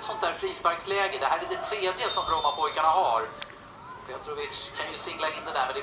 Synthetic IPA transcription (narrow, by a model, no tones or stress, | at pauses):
t̪sɔnt̪̚d̪æːɾfɾiːspæɾɡslɛːɡəd̪ɛɦæːɾɛɖɛt̪ʰɾeːd̪jəsɔmɾɔmapʰɔjkaɳaɦaɾ | pʰeːt̪ɾɔvɪt̪ʂkʰanjɵsɪŋlaɪnd̪ɛd̪æɾmɛnd̪ɛ